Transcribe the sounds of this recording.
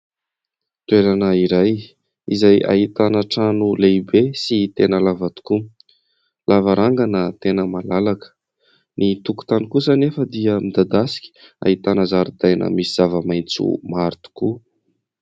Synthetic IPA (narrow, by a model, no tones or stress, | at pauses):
t̪ueɾanəiɾaj | izaja̰ɦit̪anəʈ͡ʂanulejbesit̪enəlavat̪u̥ku | lavaɾaŋɡanət̪enəmalalakə̥ | nit̪uku̥t̪anikusanefəd̪iəmid̪ad̪asi̥kʲi̥a̰ɦit̪anəzaɾud̪ajnə̰misiz̥avəmajnt͡sṵmaɾt̪u̥ku